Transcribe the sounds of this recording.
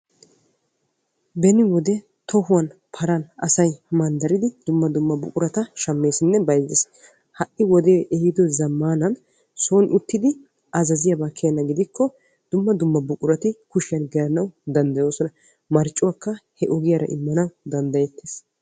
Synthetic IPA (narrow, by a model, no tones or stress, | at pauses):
bɛnɪwɔd̪ɛ | t̪ʰɔhʊwɐnpʰɐɾɐnɐsɐjmɐnd̪ɐɾɪd̪ɪd̪̥ʊmːɐd̪ʊmːɐbʊkʼʊɾɐt̪ɐʃɐmːe̞ːsɪnːɛbɐjzes | hɐʔɪwɔd̪eːʔɛhɪd̪ɔzɐmːaːnɐn | soːnʔʊt̪ːɪd̪ɪ | ʔɐzɐzɪjɐbaːkʰeːnːɐɡɪd̪ɪkʰːɔ | d̪̥ʊmːɐd̪ʊmːɐbʊkʼʊɾɐt̪ɪkʊʃɪjɐnɡɛɾɐnɐwd̪ɐnd̪ɐjo̞ːsɔnɐ | mɐɾt͡ʃʼːʊwaːkːɐhɛʔɔɡɪjɐɾɐ̰ʔɪ̰mːɐnɐwd̪ɐnd̪ɐjɛt̪ːeːs